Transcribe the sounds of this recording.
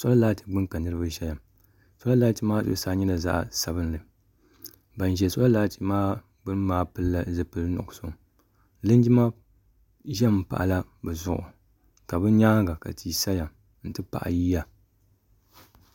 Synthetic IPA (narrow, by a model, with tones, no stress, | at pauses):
sɔ˦la˦laː˦ti˦ɡ͡bɨ˦ŋka˨nɨ˦ɾɨ˦ba˦ʒɛ˦ja˨m | sa˦la˦laː˦ti˦maː˦ɨ̰˦˨˦saː˦ɲɛ˦la˨za̰˦ʔsa˨bɨ˦n˦lɨ˨ | ba˨n˨ʒɛ˨sɔ˦la˦laː˦ti˦maː˦ | bɨ˦n˦maː˦pɨ˦lla˦zɨ˨pɨ˨lnʊ̰˨so˨ | lɨ˦n˦d͡ʒi˦ma˦ | ʒɛ˦m̩˦pa̰˨ʔla˦bɨ˨zʊ˦˨ʔʊ̰˨ | ka˨bɨ˦ɲaː˦ɡa˨ka̰˨tʰiː˨sa˦ja˨ | n̩˨tɨ˦pa̰˨ʔa̰˨jiː˦ja˦